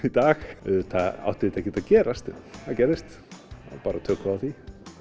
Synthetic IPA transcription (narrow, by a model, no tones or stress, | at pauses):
it̪aːxt̪aa̰wht̪ɪðɪt̪ɛhcːɪt̪aðcɛːɾast̪θaðcɛɾðɪst̪ | paːɾat̪ʰœːkaawθi